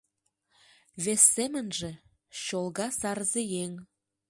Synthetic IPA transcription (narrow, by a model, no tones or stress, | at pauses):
βesːemə̆nʒĕ | ɕolˠɣɑsɑrzejeŋ